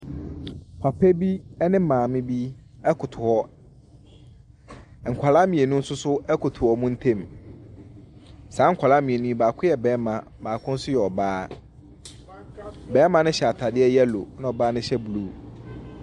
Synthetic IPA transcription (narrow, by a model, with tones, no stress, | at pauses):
pʰa˨pʰɛ˦bi˦ɛ˦nɪ̃˦mãː˨mɪ̃˦bi˦ɛ˦kʰʊ˨tʰʊ˨hɔ˦˨ | ŋ̩˨kʷʰa˨la˦mĩ˨e˨nũ˦n̩˦sʊ˦sʊ˦ɛ˦kʰʊ˨tʰʊ˨hɔ˨˦mũ˦n̩˦tʰẽ˦˨m | sãː˨˦ŋ̩˨kʷʰa˨la˦mĩ˨e˨nũ˦baː˨kʰʊ˦jɛ˨bɛ̃ː˨˦mã˨ | baː˨kʰʊ̃˦n̩˦sʊ˦jɛ˨ɔ˨baː˦ | bɛː˦mã˦nʊ̃˦ɕɛ˨a˨tʰa˨dɪ˦ɛ˦jɛ˦lo˨nʊ̃˦ɔ˨baː˦nʊ̃˦ɕɛ˦bu˨lu˦